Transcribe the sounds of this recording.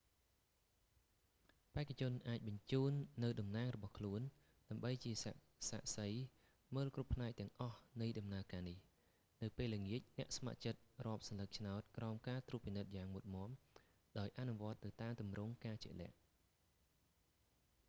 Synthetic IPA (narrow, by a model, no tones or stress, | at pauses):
paɛkːat͡ɕʊ̆ənʔaːc̚ɓɑɲt͡ɕuːnːɨwɗɑmnaːŋrɔɓɑhkʰluən | ɗaəmɓəjt͡ɕiə | sa̰ːʔsəj | məːlkrupːʰnaɛk̚t̪ɛ̆əŋʔɑhnɨjɗɑmnaəkaːnih | nɨwpeːləŋiəc̚nɛ̆əʔsma̰ʔt͡ɕət̪̚rŏəp̚sɑnlək̚t͡ɕʰnaɔt̪̚kraɔmkaːt̪ruːət̚pːinɨt̪̚jaːŋmut̪̚mŏəm | ɗaɔjʔanuʋŏət̪̚nɨwt̪aːmt̪umrʊŋkaːt͡ɕḭəʔlɛ̆əʔ